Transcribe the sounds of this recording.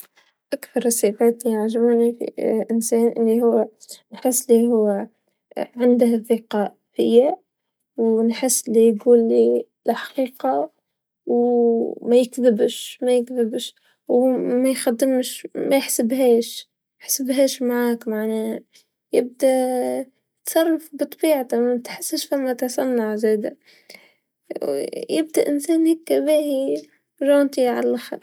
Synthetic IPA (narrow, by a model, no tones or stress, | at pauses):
ʔakθɑɾˤsˤiːfaːt̪lijaʕʒɪbuːnifḭʔɪnsæːnʔɪ̰lːihʊwːnħɪsːɪliɦʊwː | ʕɪnd̪hðɪqɑːʔ | hɪjːa | wnħɪsːɪlijɡuːlːi | lħɑ̥qiːqɑ | wmæjɪkðɪbʃmæjɪkðɪbʃ | wmajxad̪ːɪmʃmajɪħsɪbɦeːʃ | ɪħsɪbɦeːʃmaʕaːkmaʕneː | jɪb̚d̪a | t̪sˤɑrˤːɑfbɨt̪ˤːbiːʕt̪at̪ħɪsːɪʃfamːat̪ħsɑnːaʕzeːd̪a̰ | jɪb̚d̪aʔɪnsæːnhekːabæːhi | ʒɑːnt̪iʕa̰lʔaxɑ̰ɾˤ